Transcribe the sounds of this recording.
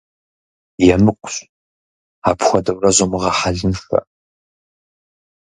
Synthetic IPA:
jɛmɨkʷʼʊɕ | apʰxʷɔdɐwrɐʑɐmɨʁɐħaɮɨnfɐ̰

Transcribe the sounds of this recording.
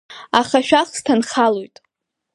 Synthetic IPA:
aχaʃᶣaχstʰanχalojtʼ

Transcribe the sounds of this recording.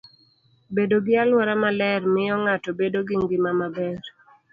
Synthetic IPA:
bedoɡɪalwɔɾamalɛrmɪjɔŋatɔbedoɡɪŋɡɪmamabɛɾ

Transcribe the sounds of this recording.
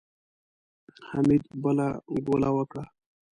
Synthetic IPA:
hamid̪bəlaɡolawəkɽa

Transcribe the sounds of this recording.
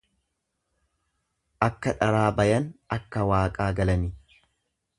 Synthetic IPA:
ʔɐkːɐᶑɐɾaːbɐjɐnɐkːɐwaːkʼaːɡɐlɐnɪ

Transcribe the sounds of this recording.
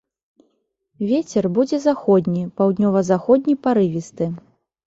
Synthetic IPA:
vʲet͡sʲɛrbud͡zʲɛzaxɔd̪ʲnʲipawd̪nʲɔvɐzaxɔd̪ʲnʲipaɾɨvʲist̪ɨ

